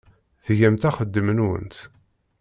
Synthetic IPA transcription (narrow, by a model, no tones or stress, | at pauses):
ðʝæmt̪æχəd̪ːəmənwə̰nt̪